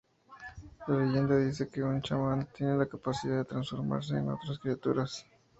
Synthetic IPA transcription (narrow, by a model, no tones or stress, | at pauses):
lalejend̪aðis̬ekeʊnt͡ʃamant̪jenenlakapasiðaðet̪ɾansfoɾma̰ɾs̬eḛno̰t̪ɾaskɾiat̪uɾas